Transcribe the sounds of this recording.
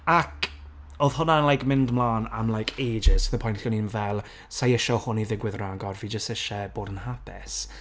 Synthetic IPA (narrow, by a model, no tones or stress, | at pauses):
akʰ | oð̥hʊnaənlˠajkmɪndmlˠaːna̰mlˠajkʰeːd͡ʒɪsθəpʰɔjntɬɔnimvɛlˠ | sajɪʃɔhʊniðɪɡwɪðraɡɔrviːd͡ʒəstɛʃɛb̥oːdənhapʰɪ̰s